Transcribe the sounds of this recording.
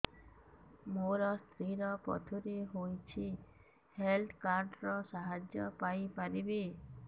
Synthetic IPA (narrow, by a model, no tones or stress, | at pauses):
moɾɔst̪ʰɾiɾɔpɔ̰t̪ʰuɾiɦojt͡ʃʰi | helt̪kaɾɖɾɔsaɦad͡ʒjɔpajpaɾibi